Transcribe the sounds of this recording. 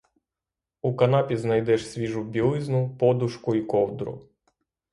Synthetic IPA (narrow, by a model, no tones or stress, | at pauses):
ukɐnɑpʲiznɐjd̪ɛʃsʲʋʲiʒʊbʲilˠɪznʊpɔd̪ʊʃkʊikɔwd̪ɾʊ̰